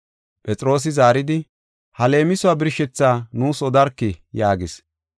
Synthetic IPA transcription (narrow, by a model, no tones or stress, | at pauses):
pʼɛt͡sʼɪɾo̞ːs̬ɪzaːɾɪd̪ɪ | hɐle̞ːmɪsʊaːbɪɾʃɛt͡sːaːnuːsɔd̪ɐɾkːɪjaːɡɪs